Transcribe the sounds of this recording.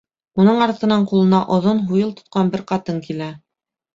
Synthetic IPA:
unɤɴɑɾt̪ɤ̆nɑɴqulˠɤ̆nɑʔŏðonɦujɤlˠt̪ŏ̥t̪̚qʰɑnbɘɾqɑt̪ɤŋkilæ

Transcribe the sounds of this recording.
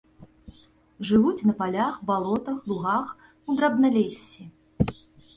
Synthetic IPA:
ʐɨvut͡sʲnɐpalʲaxbalˠɔt̪ɐxlˠuɣax | ud̪ɾabnɐlʲesʲːi

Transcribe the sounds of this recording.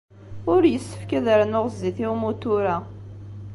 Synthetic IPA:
ʊɾjəsːə̥fkæðəɾnʊʁzːiθimut̪ʊɾa

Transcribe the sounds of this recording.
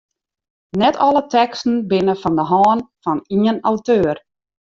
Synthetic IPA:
nɛtʰɔlˠətɛkstn̩bɪnəfɔndəɦɔːnfɔniənawtøːr

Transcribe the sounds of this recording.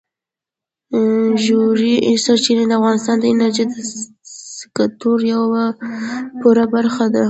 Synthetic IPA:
ʒuɾisaɾt͡ʃined̪əafɣɑnɪst̪ɑnd̪əɪnaɾʒid̪ə | ɪ̥kat̪uɾjawa | puɾabaɾxad̪a

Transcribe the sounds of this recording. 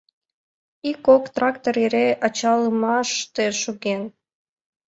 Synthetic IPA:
ikokt̪rɑkt̪oɾeɾeʔɑt͡ɕɑləmɑʃt̪eʃuɣen

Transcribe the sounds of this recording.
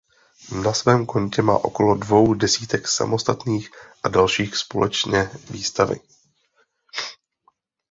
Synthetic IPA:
nasvɛːmko̞ɲcɛma̰ːʔo̞ko̞lo̞dvo̞wdɛsiːt̪ɛksa̰mo̞st̪at̪niːxʔadalʃiːxspo̞lɛt͡ʃɲɛviːst̪avɪ̰

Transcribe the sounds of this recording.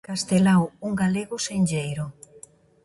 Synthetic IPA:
kast̪elawuŋɡaleɣʊseɲʲʎejɾʊ

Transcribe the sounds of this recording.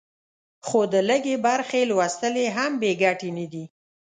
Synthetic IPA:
xod̪ələɡebaɾxelwast̪əleɦambeɡaʈenad̪i

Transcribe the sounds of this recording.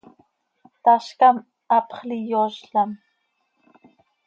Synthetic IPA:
t̪aʃkam | ɑpχlijoʃɬam

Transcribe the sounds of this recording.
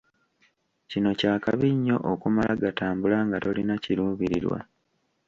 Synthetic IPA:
cino̞caːkaβiɲːo̞ʔokumalaɡataːmbulaŋɡato̞linaciɾuːβiɾḭɾwa̰

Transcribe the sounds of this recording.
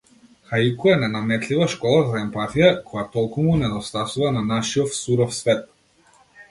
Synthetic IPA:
xaikuɛnɛnamɛt̪livaʃkɔlˠazaɛmpat̪ijakɔjat̪ɔlˠkumunɛd̪ɔst̪asuvananaʃiɔfsuɾɔfsvɛt̪̚

